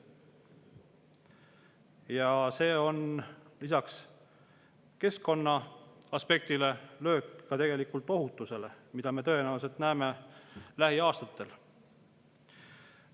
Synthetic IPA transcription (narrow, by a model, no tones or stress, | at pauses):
jɑse̞ːo̞nlis̬ɑks | ke̞sko̞nːɑɑspe̞k̚t̪ile̞lø̞ːkːɑt̪e̞ɡe̞likult̪ˑo̞ɦut̪ːˑuse̞le̞mid̪̥ɑme̞t̪ɤe̞næːls̬e̞lt̪næːmelæɦiɑːst̪ɑt̪ːˑe̞l